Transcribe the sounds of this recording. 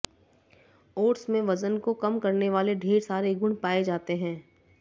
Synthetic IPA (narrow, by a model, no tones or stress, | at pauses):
oːʈsmẽʋɐzənkokɐmkɐɾneʋaːleɖʱeːɾsaːɾeɡʊ̃ɳpaːed͡ʒaːt̪eɦɛ̃ː